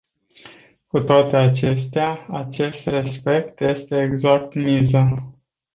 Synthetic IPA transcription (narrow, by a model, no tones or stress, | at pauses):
kut̪oat̪e̞at͡ʃe̞st̪eaat͡ʃe̞st̪re̞spe̞k̚t̪je̞st̪e̞ːɡzak̚t̪miza